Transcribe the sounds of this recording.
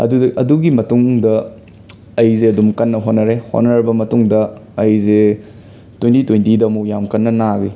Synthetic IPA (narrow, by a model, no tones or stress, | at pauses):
ɐ̰dudɐʔɐduɡimɐtuŋdɐ | ɐjzeɐdumkɐnːɐɦonɐɾeho̰nɐɾɐbɐmɐtuŋdɐːjze | twejntitojntidɐɐmukjamkɐnːɐnaɡi